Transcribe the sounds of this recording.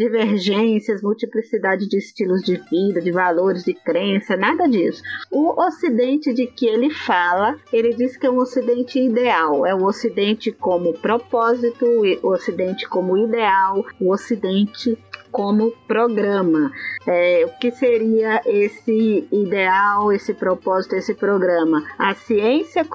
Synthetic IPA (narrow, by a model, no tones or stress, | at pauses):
d͡ʒiveɾʒẽsiɐsmuwt͡ʃiplisid̪ad͡ʒɪd͡ʒɪːst͡ʃilʊzd͡ʒɪvid̪ɐd͡ʒɪvaloɾɪzd͡ʒɪkɾẽsɐnad̪ɐd͡ʒisʊ̥ʊosid̪ẽnt͡ʃɪd͡ʒɪkɪelɪfalɐelɪd͡ʒiskɪɛũosid̪ẽnt͡ʃɪid̪eawɛʊosid̪ẽnt͡ʃɪkõmʊpɾopɔzit̪ʊosid̪ẽnt͡ʃɪ̥kõmʊid̪eawʊosid̪ẽnt͡ʃɪkõmʊpɾoɡɾɐ̃mɐɛʊkɪseɾiɐʔesɪid̪eawesɪpɾopɔzit̪ʊesɪpɾoɡɾɐ̃mɐɐsiẽsjɐ